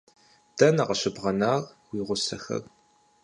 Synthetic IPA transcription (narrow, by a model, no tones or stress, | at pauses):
d̥ɐnɐʁɐɕɪbʁɐnaːrwiːʁʷʊsɐxɐ̰r